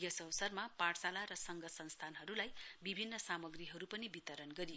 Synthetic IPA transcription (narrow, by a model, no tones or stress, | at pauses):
jʌsʌwsʌrmapaʈsalaɾʌsʌŋɡʌsʌnst̪ʰanɦʌɾulajbibʱinːʌsamʌɡriɦʌɾupʌnibit̪ʌɾʌnɡʌɾijo